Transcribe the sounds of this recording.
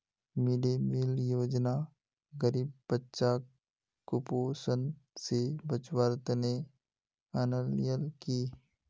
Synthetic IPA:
mɪɖemiljoːd͡ʒna | ɡəɾiːbːətːʃaː | kːʊpoːsənsebət͡ʃwəɾt̪ne | ənəljəlkiː

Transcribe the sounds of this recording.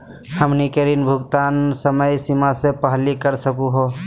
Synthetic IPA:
həmnikeɾinbʱʊɡt̪aːnsəməjsimasepəɦlikəɾsəkuɦo

